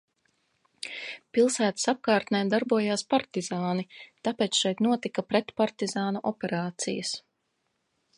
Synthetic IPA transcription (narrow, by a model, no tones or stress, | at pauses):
pilˠsæːt̪ə̥sap̚kaːɾt̪nɛjd̪aɾbuɔjaːspaɾt̪izaːnit̪apɛːt̪sʃɛjt̪nuɔt̪ikɐpɾɛt̪paɾt̪izaːnuʔɔpɛɾaːt̪sḭjəs